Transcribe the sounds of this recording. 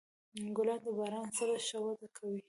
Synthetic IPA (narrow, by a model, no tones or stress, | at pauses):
ɡʊlɑd̪əbɑɾɑnsaɾaʃawad̪akʰawi